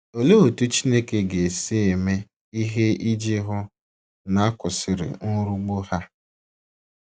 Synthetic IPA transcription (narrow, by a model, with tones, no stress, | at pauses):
o˨lo˦o˨tu˦t͡ʃi˦ne˦ke˦ɡe˨se˦e˨me˦ | i˦ɦe˦i˦d͡ʒi˦ɦʊ˦ | na˨˦a˦kʊ˨sɪ˨ɾɪ̰˨nʊ˦ɾu˦ɡ͡bo˦ha˦